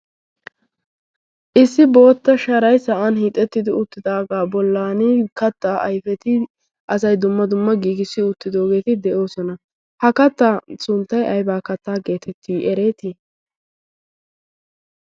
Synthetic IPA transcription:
ʔɪsːɪbo̞ːt̪ːɐʃɐɾɐjsɐʔɐnhiːt̪ʼːɛt̪ːɪd̪ɪʊt̪ːɪd̪aːɡaːbɔlːaːnɪkɐt̪ːaːʔɐjfɛt̪ɪ | ʔɐsɐjd̪ʊmːɐd̪ʊmːɐɡiːɡɪsːɪʊt̪ːɪd̪o̞ːɡe̞ːt̪ɪd̪ɛʔo̞ːsɔnɐ | hɐkɐt̪ːaːsʊnt̪ːɐjʔɐjbaːkɐt̪ːaːɡe̞ːt̪ʰɛt̪ʰːiːʔɛɾe̞ːt̪i

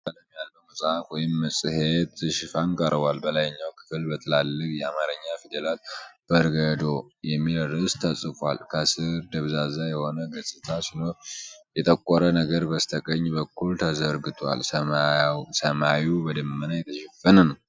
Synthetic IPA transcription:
aləmijalbəmɨsʼfwɔjɪmːəsʼɨhet̪ɨʃɪfankʼəɾβwalbəlajɲːawkʰɨ̥fɨlbət̪ʰɨlalːɨkʼjɛamaɾəɲːafid̪elalb̥əɾɡəd̪o̞jɛmːilɾɨst̪ʰəsʼɨfa̰lkʰəsɨɾd̪əβzazajɛho̞nəɡəsʼɨt̪ʰasino̞jɛt̪ʼəkʼːɔɾənəɡəɾbəst̪ʰəkʼəɲːbəkʰːult̪ʰəzəɾɡɨt̪ʰa̰lsə | səmawubəd̪ɨmmːənajɛt̪ʰəʃɛfːənənəw

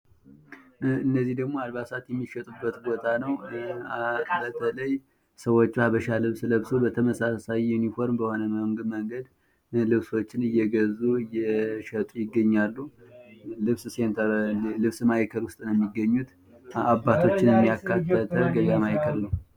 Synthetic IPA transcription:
ɨnːəzːihd̪əɡmoalβasat̪jɛmːiʃət̪ʼubːət̪bo̞t̪ʰanəw | bət̪ʰələj | səwo̞t͡ʃːhaβəʃalɨβsləβsubət̪ʰəməsasajunifo̞ɾmbəho̞nəməmɡməŋɡəd̪ | lɨβso̞t͡ʃːɪnɨjːɛɡəzːuɨjːɛʃət̪ʼujɪɡːəɲːalːu | lɨβsse̞nt̪ʰəɾlɨβsmajkʰəlwʊst̪ʼnjɛmːiɡːəɲːut̪ | abːat̪ʰo̞t͡ʃːɪnjɛmːijakːat̪ːət̪əɡəɡamajkʰəlnəw

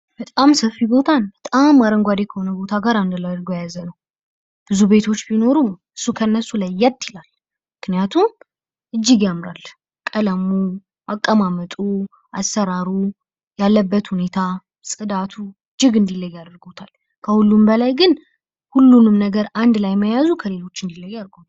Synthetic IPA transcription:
bət̪ʼamsəfːibo̞t̪ʰanbət̪ʼamːaɾəŋɡʷad̪e̞kʰəho̞nəbo̞t̪ʰaɡaɾand̪lad̪əɾɡojajazənəw | b̥ɨzube̞t̪ʰo̞t͡ʃːbino̞ɾumɨsːukʰənːəsːulajːɛt̪ːjɪlal | mmɨknijat̪ʰum | ʔɨd͡ʒːɪɡjamɾal | kʼələmu | akʼːəmamət̪ʼu | ʔa̰sːəɾaɾu | jalːəbːət̪hune̞t̪ʰa | sʼɨd̪at̪ʰuɨd͡ʒːɨɡɨnd̪ilːəjːad̪əɾɡo̞t̪ʰal | kʰəhulːumbəlajɡɨn | hulːunɨmnəɡəɾand̪lajməjazukʰəle̞lo̞t͡ʃːɨnd̪ilːəjːad̪ɾɡo̞t̪ʰal

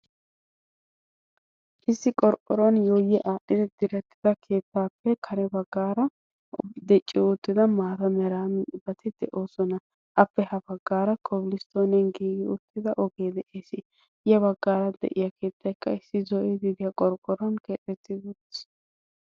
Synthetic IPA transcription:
ʔɪsːɪkʼɔɾkʼːɔɾɔnjoːjɛʔaːʔɪd̪ɛd̪ɪɾɛt̪ːɪd̪ɐkʰe̞ːt̪ːaːpːɛkʰɐɾɛbɐɡːaːɾɐ | d̪ɛt͡ʃʼːɪʊt̪ːɪd̪ɐmaːt̪ɐmɛɾaːmbɐt̪ɪd̪ɛʔo̞ːsɔnɐ | ʔɐpːɛhɐbɐɡːaːɾɐkʰɔbɪlɪst̪oːnɛnɡiːɡɪʊt̪ːɪd̪ɐʔɔɡe̞ːd̪ɛʔeːsɪ | jɛβɐɡːaːɾɐd̪ɛ̰ʔɪjɐke̞ːt̪ːɐjkːɐɪsːɪzɔʔɛd̪ɪd̪ɪjɐkʼɔɾkʼɔɾɔnkeːt̪ʼːɛt̪ːɪd̪ut̪s

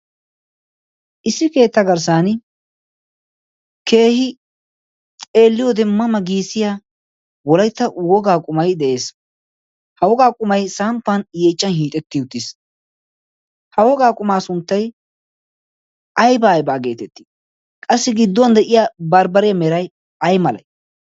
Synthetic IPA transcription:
ʔɪsːɪke̞ːt̪ːɐɡɐɾs̬aːn | ke̞ːhɪ | t͡sʼe̞ːlːɪjɔd̪ɛmːɐmɐɡiːsɪjaː | wɔlɐjt̪ːɐwɔɡaːkʼʊmɐjd̪ɛʔe̞ːs | hɐwɔɡaːkʼʊmɐjsaːmpːɐnjeːt͡ʃːɐnhiːt̪ʼɛt̪ːɪjʊt̪ːis | hɐwɔɡaːkʼʊmaːsʊnt̪ːɐj | ɐjbaːjbaːɡe̞ːt̪ɛt̪ːi̥ | kʼɐsːɪɡɪd̪ːɔnd̪ɛʔɪjabɐɾbɐɾɪjɐmɛɾɐj | ɐjmɐlɐ̰j

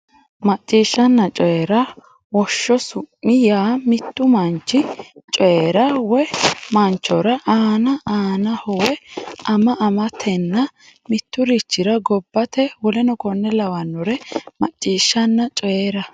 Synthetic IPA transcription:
mɐt͡ʃʼːiːʃːɐnːɐt͡ʃʼɔjɛɾɐ | wɔʃːɔsʊʔːɪjaːmɪt̪ːʊmɐnt͡ʃːɪt͡ʃʼɔeɾɐwɛmɐnt͡ʃːɔɾɐʔaːnɐʔaːnɐhɔwɛʔɐmɐʔɐmɐt̪ʰɛnːɐ | mɪt̪ːʊɾɪt͡ʃːɪɾɐɡɔbːɐt̪ɛwɔlɛnɔkɔnːɛlɐwɐnːɔɾɛmɐt͡ʃʼːiːʃːɐnːɐt͡ʃʼɔjeːɾɐ

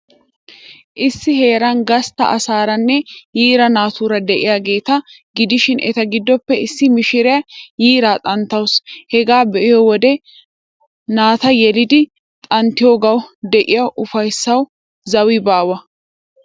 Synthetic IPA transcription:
ʔɪsːɪhe̞ːɾɐnɡɐst̪ɐ̰ʔɐsaːɾɐnːɛjiːɾɐnaːt̪uːɾɐd̪ɛʔɪjaːɡe̞ːt̪ɐ | ɡɪd̪ɪʃɪnʔɛt̪ɐɡɪd̪ːɔpːɛɪsːɪmɪʃɪɾɪjajiːɾaːt̪ʼɐnt̪ːɐwshɛɡaːbɛʔɪjɔwɔd̪ɛ | naːt̪ɐjɛlɪd̪ɪ | t̪ʼɐnt̪ɪjoːɡɐwd̪ɛʔɪjɐwʔʊfɐjsːɐw | zɐwɪbaːwɐ

